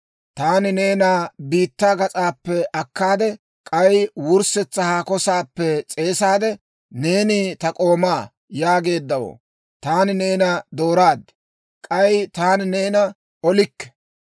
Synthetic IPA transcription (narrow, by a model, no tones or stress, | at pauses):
t̪aːnɪne̞ːnaːbiːt̪ːaːɡɐt͡sʼaːpːɛʔɐkːaːd̪ɛ | kʼɐjwʊɾsɛt͡sːɐhaːkɔsaːpːɛt͡sʼe̞ːsaːd̪ɛ | ne̞ːnɪt̪ɐkʼo̞ːmaː | jaːɡe̞ːd̪ːɐwo̰ː | t̪aːnɪne̞ːnɐd̪o̞ːɾaːd̪ɛ̥ | kʼɐjt̪aːnɪne̞ːnɐ | ɔlɪkːɛ̥